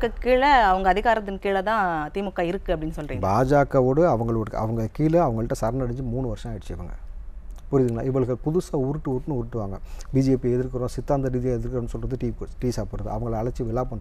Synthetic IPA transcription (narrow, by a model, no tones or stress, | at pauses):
kːɯkːiːɭɐɐʋɐŋɡɐːðɪɣaːɾɐt̪ːɪnkiːɭɐt̪ãːt̪iːmʊkːaːɪɾɯkːɯɐpːɐɽɪnːɯsɔlːriŋɡbaːd͡ʒaːkːɐʋoːɽɯɐʋɐŋɡɐɭʋoːɽɯkɐ̰ʋɐŋɡɐkiːlɐɐʋɐŋɡɐɭɯʈːɐ̃ːsɐɾɐnɐɽɪɲd͡ʒɯmuːɳːɯʋɐɾʂɐ̃aːjɪɽɯt͡ʃːɛjɐʋɐ̰ŋɡɐ̰pʊɾɪðɪŋɡɐla̰ːɪʋɐɭɯkːɐpʊðʊsaːʊɾɯʈːɯʊɾʈːɯnɯʊɾɯʈːɯʋaːŋɡɐbiːd͡ʒɪeːpiɛðɪɾkːɐɾõːsɪt̪ːaːnd̪ɐɾiːðɪjãːɛðɪɾkːɯɾ̃ːnːɯsɔlːɾɐðɯʈiːʈiːsaːpoːɽɾɐðɯɐʋɐŋɡɐɭɐɭɐt͡ʃːɯʋɪɭaːpɐɳː